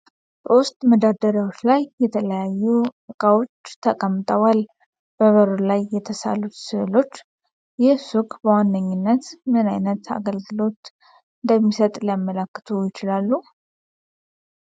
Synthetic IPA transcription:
bəwust̪ʼməd̪ad̪əɾawot͡ʃːlajːɛt̪ʰələjajːuɨkʼawo̞t͡ʃːt̪ʰəkʼəmːt̪ʼəwal | b̥əβəɾolajːɛt̪ʰəsa̰lut̪sɨlo̞t͡ʃː | jɛsukʼbəwanːəɲːɪnːət̪mɨnajnət̪ʰa̰ɡəlɡɨlo̞t̪ | ɨnd̪əmːisət̪ʼlijamːələkːɨ̥t̪ʰujɪt͡ʃɪlalːu

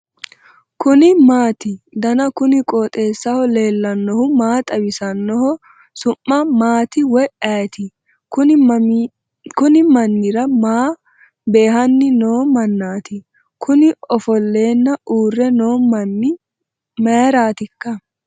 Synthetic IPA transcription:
kʊnɪmaːt̪ɪ | d̪ɐnɐkʊnɪkʼoːt̪ʼe̞ːsːɐhɔle̞ːlːɐnːɔhʊmaːt̪ʼɐwɪsɐnːɔhɔ | sʊmːɐmaːt̪ɪwɔjʔɐjt̪ɪ | kʊn | kʊnɪmɐnːɪɾɐmaː | be̞ːɦɐnːɪno̞ːmɐnːaːt̪ɪ | kʰʊnɪɔfɔlːe̞ːnːɐʔuːrːɛno̞ːmɐnːɪ | meːɾaːt̪ɪkːɐ

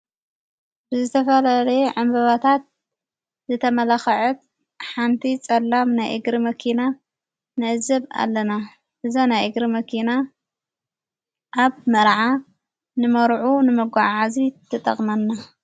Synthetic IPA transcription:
bɨzɨt̪ʰɐfɐlalɐjʕɨmbɐβat̪ʰat̪̚ | zɨt̪ʰɐmɐlaxɐʕut̪̚ | ħant̪ʰit͡sʼɐlːamnajʔɨ̰ɡɾimɐkʰina | nɨʔɨzɐβa̰lːɐna | ʔɨzonajʔɨɡɾimɐkʰina | ʔaβmɐɾʕa | nɨmɐɾʕunɨmɐɡʷaʕʕazit̪ʰɨt̪ʼɐ̰χʼmɐnːa

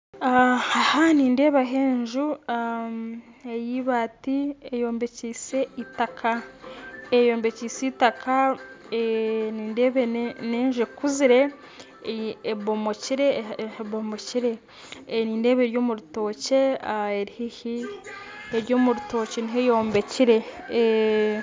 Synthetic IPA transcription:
ahahaniːnde̞ːβaɦeːɲʒua | ejiβaːtiejo̞ːmbe̞ciːse̞itakʰa | ejo̞ːmbe̞ciːsiitakʰaeniːndeːβeneːɲʒuekuziɾe̞ | βomo̞ciɾeβomo̞ciɾe̞ | niːnde̞ːβe̞ːɾjo̞ːmuɾuto̞ːceaeɾihehi | eɾjo̞ːmuɾuto̞ːceniɦejo̞ːmbe̞ciɾe̞

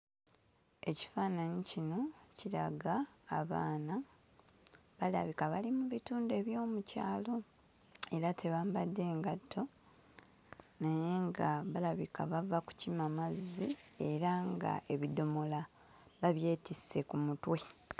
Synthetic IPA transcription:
e̞ci̥faːnaɲicino̞ciɾaɡaːβa̰ːna | βala̰βikaβalimuβituːndue̞βjo̞ːmuca̰ːlo̞ | e̞ɾatʰe̞βaːmbadːe̞ːŋɡatʰːo̞ | naje̞ŋɡaβalaβikaβavaku̥cimamazie̞ɾaŋɡa̰ʔe̞βido̞mo̞la | βaβje̞ːtise̞kumutwe̞

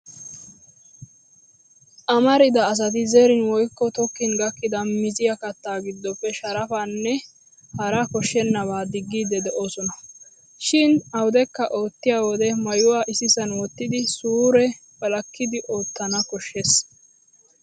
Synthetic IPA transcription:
ʔɐmɐɾɪd̪ɐːs̬ɐt̪̬ɪzeːɾɪnwɔjkːɔt̪ɔkːɪnɡɐkːɪd̪ɐmɪzɪjɐkɐt̪ːaːɡɪd̪ːɔpːɛʃɐɾɐfanːɛ | hɐɾɐkɔʃːɛnːɐβaːd̪ɪɡːiːd̪ːɛd̪ɛʔoːsɔnɐ | ʃɪnɐwʊd̪ɛkːɐʔo̞ːt̪ːɪjaːwɔd̪ɛmɐjʊwaːʔɪsɪsɐnwɔt̪ːɪd̪ɪsuːɾɛ | bɐlɐkːɪd̪ɪʔo̞ːt̪ːɐnɐkɔʃːes

